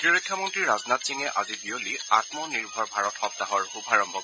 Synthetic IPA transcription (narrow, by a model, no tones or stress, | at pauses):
kiɹɔkʰːjɔmɔntɹiɹaznatsiŋɛʔa̰zibioliatmɔniɹbʱɔɹbʱaɹɔtxɔp̚taɦɔɹhubʱaɹɔmbʱɔk